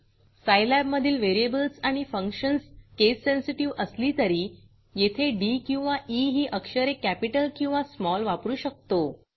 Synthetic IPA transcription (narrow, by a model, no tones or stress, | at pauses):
sajlæbməd̪ʱiːlʋeɾiebəlsaɽ̃ifəŋkɕənskesːensiʈiʋəsliːt̪əɾiː | jet̪ʰeɖikĩw̃ʋaʔiɦiːʔəkɕəɾekæpiʈəlkĩw̃ʋasmɔlʋapɾuːɕək̚t̪o